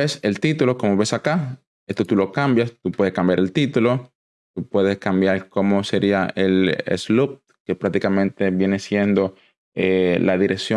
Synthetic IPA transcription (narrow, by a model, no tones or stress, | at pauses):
ese̞lt̪it̪ulo̞ko̞moβe̞saka | est̪ot̪ulo̞kambjast̪upwe̞ðeskambjaɾelt̪it̪ulo̞ | t̪upwe̞ðe̞skambjaɾkomo̞se̞ɾiaʔelḛslup̚ | ke̞pɾak̚t̪ikamẽnt̪e̞βje̞ne̞sje̞nd̪o̞ | elaðiɾeksjo